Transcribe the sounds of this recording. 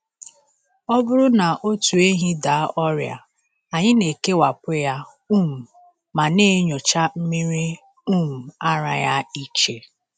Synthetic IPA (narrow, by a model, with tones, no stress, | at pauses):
ɔ˦bʊ˦ɾʊ˦na˨ʔo˦tu˨e˦ɦi˦da˨˦ʔɔ˦ɾja̰˨ | a˨ɲɪ˦ne˨ke˦wa˨pʊ˦ja˦ | u˦˨m̩˨ | ma˨ne˦ɲo˨t͡ʃa˦m̩˦mi˦ɾi˦ | u˦˨m̩˨a˦ɾa̰˨ja̰˦i˨t͡ʃe˨